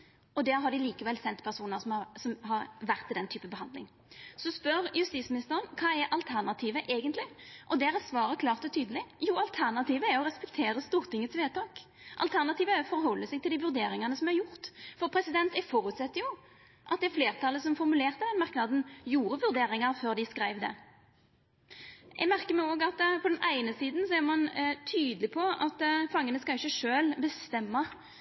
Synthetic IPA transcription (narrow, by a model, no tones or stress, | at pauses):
ɔd̪ɛɦɑd̪ɪliːkəʋɛlːsɛnt̪pʰæʁsuːnəɾsɔmɑsɔmhɑɾʋæʁt̪ʰːɪld̪ɛnt̪ʰyːpəbəhɑnd̪lɪ̰ŋ | sɔspœɾjʉst̪iːt̪smɪnɪst̪əɾənkʰɑːɛɾʔɑlt̪ʰæʁnɑt̪ʰiːʋəʔeːɡənt̪lɪʔɔd̪ɛæɾɛt̪sʋɑːɾəkʰlɑːʁt̪ɔt̪ʰyːd̪əlɪjuːɑlt̪ʰæʁnɑt̪ʰiːʋəæɾɔʁɛspɛkt̪ʰeːɾəst̪uːɾt̪ʰɪŋːət̪sʋeːt̪ʰɑːk | ʔɑ̰lt̪ʰæʁnɑt̪iːʋəæɾɔfɔɾɦɔlːəsɛɡt̪ɪld̪ɪːʋʉɾd̪eːɾɪŋɑnəsɔmæɾjʊʁt̪fɔʁpʰɾɛsɪd̪ɛnt̪ɛfɔɾʉt̪sɛt̪ːəjʊ | ʔɑt̪d̪ɛfleːʁt̪ʰɑlːəsɔmfɔɾmʉleːʁt̪əd̪ɛnmɑʁknɑd̪n̩juːɾəʋʉɾd̪eːɾɪŋɑɾføːʁd̪ɪskɾæɪʋd̪ɛ̰ | ʔɛ̰ɡmæʁkəmɛoːɡɑt̪pʰɔd̪ɛnʔæɪnəsiːd̪n̩sɔæɾmɑnt̪ʰyːd̪əlɪpʰɔɑt̪fɑŋːənəskɑɪçːəʂøːlbəst̪ɛmːɑ